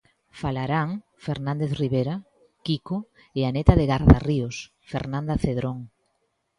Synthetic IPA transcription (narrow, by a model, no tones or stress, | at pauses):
falaɾaŋ | feɾnãnd̪eθriβeɾa | kiko | eanet̪aðeɣaɾðarios | fḛɾnãnd̪ɐθeðɾoŋ